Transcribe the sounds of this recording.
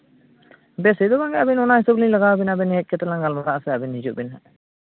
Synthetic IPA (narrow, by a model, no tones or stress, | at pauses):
bɛsɛd̪ɔbaŋɡɛʔabinɔnahisɔblilaɡawbɛnabɛnɛɦɛc̚ˀkɛt̪ɛlaŋɡalmaɾaʔsɛabinhid͡ʒuʔbinaʔ